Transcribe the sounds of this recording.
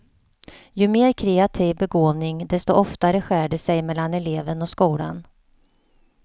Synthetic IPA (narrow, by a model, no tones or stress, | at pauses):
jɵmeːɾkʰɾɛːat̪ʰiːvbɛɡoːvnɪŋd̪ɛst̪ɔʔɔft̪aɾəɧæːɖəsɛjmɛlːanɛleːvənɔkskuːla̰n